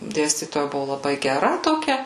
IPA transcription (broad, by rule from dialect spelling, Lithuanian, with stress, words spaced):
ˈdʲeːsʲtʲiːtoːjɛ ˈbʊʋʊ lˠɐˈbɐɪ ɡʲɛˈrɐ toːˈkʲɛ